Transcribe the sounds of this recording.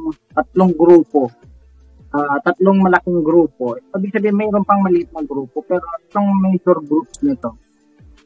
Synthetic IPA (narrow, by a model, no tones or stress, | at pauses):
t̪ɐt̪̚loŋɡɾuːpo̞ | ʔaːt̪ɐt̪loŋmɐlɐkɪŋɡɾuːp̚o̞ɛːbɪɡ̚sɐbiːhɪmɛɾonpɐŋmɐlɪʔɪt̪̚nɐɡɾuːpopɛːɾo̞t̪oŋmɛjd͡ʒoɾɡɾupnɪt̪o̞